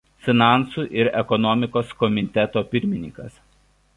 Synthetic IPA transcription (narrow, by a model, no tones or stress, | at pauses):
fʲɪnɑˑnˑsuːˑʔɪɾɛkɔnɔmʲɪkoːskɔmʲɪt̪ʲɛt̪oːpʲɪɾʲmʲɪnʲɪŋkɐs